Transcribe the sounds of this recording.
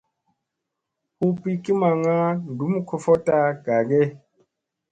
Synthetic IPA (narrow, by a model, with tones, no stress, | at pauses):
hu˦pi˦ki˦ma˨ŋa˦n˨du˨˦m˦kʰo˨fo˦ta˦ɡ̥a˨ɡe˦